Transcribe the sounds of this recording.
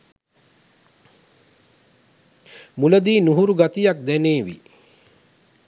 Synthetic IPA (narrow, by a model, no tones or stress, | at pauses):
muləd̪iːnuɦuɾuɡat̪ijak̚d̪ɛneːʋḭ